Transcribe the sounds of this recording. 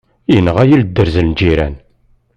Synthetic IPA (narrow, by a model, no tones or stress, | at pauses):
jənːəʁæjild̪ːəɾzəlnd͡ʒiɾæ̰n